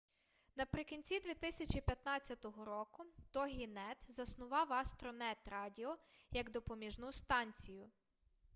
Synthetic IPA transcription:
nɐpɾɪkʲinʲt͡sʲid̪ʲʋʲit̪ɪsʲɐt͡ʃʲipʲjɐt̪nɑt͡sʲːɐt̪ɔɦɔɾɔkʊt̪ɔɦʲinɛt̪zɐsnʊʋɑwɐst̪ɾɔnɛt̪rɑdʲiɔjɐɡd̪ɔpɔmʲiʒnust̪ɑnʲt͡sʲijʊ

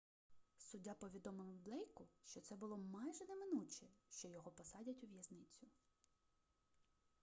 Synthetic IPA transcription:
sʊdʲːapɔʋʲid̪ɔmɪlˠɪwb̪lˠɛjkʊʃt͡ʃɔt̪sɛbʊlˠɔmɑjʒɛnɛmɪnut͡ʃɛʃt͡ʃɔjɔɦɔpɔsɑdʲɐtʲʊʋʲjɐznɪt͡sʲʊ

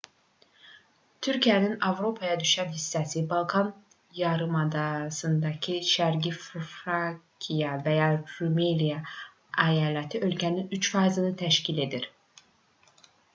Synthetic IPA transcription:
t̪ʰyɾcʰijæninɑvɾo̞pʰɑjɑd̪yʃænɦisːæsibɑlˠkʰɑn | jɑɾɯmɑd̪ɑsɯnd̪ɑcʰiʃæɾɟiffɾɑkʰijɑvæjɑɾumelijɑ | æjɑːlæt̪ʰiʔø̞lcʰæninyt͡ʃfɑjzɯnɯt̪ʰæʃcʰile̞d̪iɾ

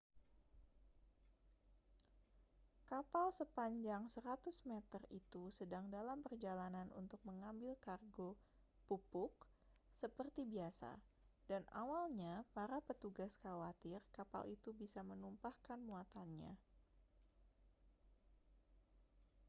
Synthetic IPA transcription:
kapalsəpaɲd͡ʒaŋsəɾat̪ʊsmɛt̪ərit̪usədaŋdalampərd͡ʒalananṵnt̪ʊk̚məŋambɪlkarɡo | pupʊk̚ | səpərt̪ibiasa̰danʔa̰walɲapaɾapət̪uɡaskawat̪ɪrkapa̰lit̪ubisamənumpahkanmuat̪anɲa̰

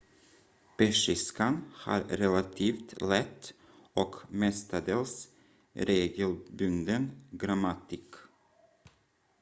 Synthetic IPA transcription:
pɛʂɪskanha̰ɾɾɛlat̪ʰiːft̪lɛt̪ː | ɔkmɛst̪ad̪əls | ɾeːɡəlbɵŋd̪ənɡɾamat̪ik

